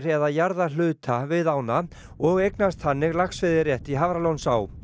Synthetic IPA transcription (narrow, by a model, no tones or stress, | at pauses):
ɾɛðajaɾðalʏːt̪ʰavɪðaːwna | ɔɣejknast̪hanːɪɣlaxsvɪðɪrjɛht̪iɦavɾalownsaw